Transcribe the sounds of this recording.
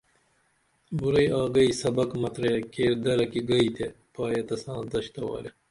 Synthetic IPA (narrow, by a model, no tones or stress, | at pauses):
buɾɐjɑːɡɐisɐbɐkmɐt̪ɾɐjɐkeːɾd̪ɐɾɐkiɡɐit̪epɑːjɐt̪ɐsɑ̃ːd̪ɐɕt̪ɐwa̰ːɾe